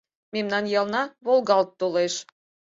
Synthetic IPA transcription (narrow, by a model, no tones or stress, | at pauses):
memnɑnjɑlnɑβolˠɣɑlt̪ːoleʃ